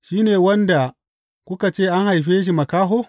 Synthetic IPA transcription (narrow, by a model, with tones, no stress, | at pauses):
ʃiː˦neː˨wɐ˦nda˨ | kʷʊ˦ka˨t͡ʃeː˦˨ʔa˦ŋha˨jɸeː˦ʃ̬i˨mɐ˨kaː˦ɦoː˦